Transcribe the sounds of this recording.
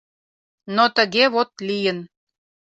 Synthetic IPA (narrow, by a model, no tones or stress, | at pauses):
not̪əɣeβot̪lijən